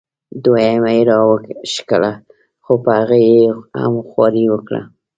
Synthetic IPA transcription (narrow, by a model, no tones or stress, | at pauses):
d̪wajamajeɾɑwəkʃkəla | xopəhaɣajeha̰mxwɑɾiwəkɽa̰